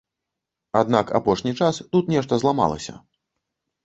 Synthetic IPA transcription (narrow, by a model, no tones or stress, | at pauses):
ad̪naka̰pɔʂnʲit͡ʂast̪ut̪nʲɛʂt̪ɐzlˠama̰lˠɐ̰sʲɐ̰